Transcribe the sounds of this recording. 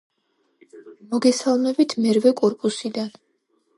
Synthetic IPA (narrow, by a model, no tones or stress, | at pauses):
mɔɡɛsalˠmɛbit̪ʰmɛɾvɛkʼɔɾpʼusid̪an